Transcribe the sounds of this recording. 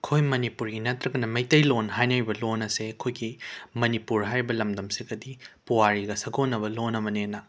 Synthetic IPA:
kʰojmɐnipuɾɡinɐtɾɐɡɐnɐmɐjtɐjlonɦajnɐjbɐlonɐsekʰojɡimɐnipuɾɦajɾibɐlɐmdɐmsiɡɐdipuwaɾiɡɐsɐɡonːɐbɐlonːɐbɐnenɐ

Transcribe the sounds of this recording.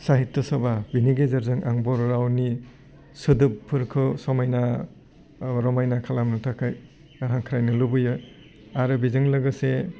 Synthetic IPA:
saɦitːɯsɔbabiniɡezɐɾzɯŋʔa̰ŋbɔɾɾawni | sɯdɯpʰːɯɾkʰɯsɔmajna | ɾɔmajnakʰalamnɯtʰakʰaj | ɦaŋkʰɾajnɯlubɯjɯ | aɾɯbizɯŋlɐɡɯse

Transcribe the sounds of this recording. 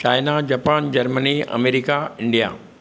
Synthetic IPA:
t͡ɕaːɪnad͡ʑapaːnd͡ʑɐɾməniɐ̰meːɾikaɪ̃ɳɖija̰

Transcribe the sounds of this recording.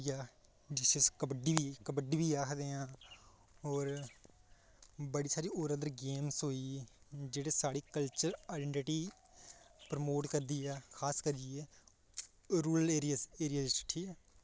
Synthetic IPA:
jaː | d͡ʒɪseskəbəɖiːʋiːkəbəɖiːbiːaːkʰd̪eːãː | oːɾ | bəɽiːsaːɾiːoːɾəd̪əɾɡeːmsɦoːiː | d͡ʒeːɽeːsaːɽiːkəlt͡ʃəɾaːɪɖɛ̃ɳʈɪʈiː | pɾəmoːʈkəɾd̪iːɛːkʰaːskəɾɪeː | ɾuːləleːɾijaseːɾɪjaːd͡ʒt͡ʃə̥ʈʰːiːɛː

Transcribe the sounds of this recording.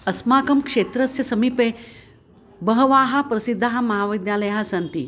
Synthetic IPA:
ɐsmaːkɐmkʂeːt̪ɾɐsjɐsɐmiːpe | bəɦʋaːɦapɾɐsid̪ʱːaɦamɐɦaːʋid̪jaːləjasɐnt̪ḭː

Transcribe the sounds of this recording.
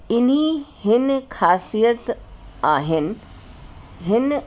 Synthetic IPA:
ɪn̤ihɪnkʰaːsijət̪aːɦɪnɪ̆ | ɦɪn

